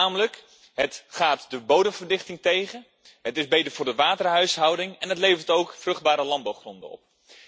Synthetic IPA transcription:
aːmələk | ɦətχaːtdəbowdəmvərdɪχtɪŋtejχən | ɦətɪzbejtəɹvʊːɹdəʋaːtərɦœɥsɦɑwdɪŋɛnɦətlejvəɹtowkfrʏχd̚baːɾəlɑn̚bɑwχrɔndəɔ̰p̚

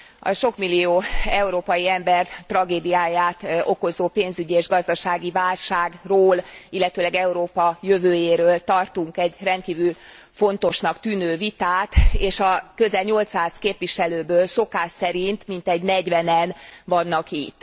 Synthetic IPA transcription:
ɒ̰ʃo̞kmilːioːɛuɾoːpɒjiɛmbɛrt̪rɒɡeːd̪ijaːjaːt̪o̞ko̞zoːpeːnzyɟieːʒɡɒzd̪ɒʃaːɡivaːlʃaːɡroːlilːɛt̪øːlɛɡɛuɾoːpɒjøvøːjeːɾøːlt̪ɒrt̪uŋkɛɟrɛnt̪̚kiːvyl | fo̞n̪t̪o̞ʃnɒkt̪yːnøːvit̪aːt̪eːʃɒkø̞zɛlɲo̞lt̪saːzkeːpʋiʃɛløːbøːlso̞kaːʃsɛɾint̪mint̪ɛɟnɛɟʋvɛnɛnvɒnːɒkit̪ː

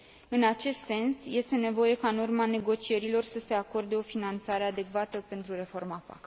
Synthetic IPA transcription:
ɨnat͡ʃe̞st̪se̞nsje̞st̪e̞ne̞vo̞je̞kaɨnurmane̞ɡo̞t͡ʃie̞ɾilo̞rsəse̞ako̞rd̪e̞o̞finant̪saɾe̞ad̪e̞kvat̪əpe̞nt̪ɾure̞fo̞rmapa̰k

